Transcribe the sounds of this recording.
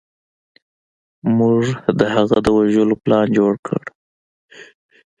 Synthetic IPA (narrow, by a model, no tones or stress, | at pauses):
muʐd̪əhaɣad̪əwaʒəloplɑnd͡ʒoɽkʰə̰ɽ